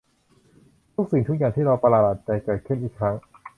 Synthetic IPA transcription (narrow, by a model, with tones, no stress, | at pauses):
t̪ʰu˦˥k̚si˨˩ŋt̪u˦˥k̚jaː˨˩ŋt̪ʰiː˥˩ɾa˧wpa˧laː˧˩la˨˩t̪̚t͡ɕa˧˩jkɤː˧˩kʰɯ˥˩mʔiː˨˩kʰɾa˦˥ŋ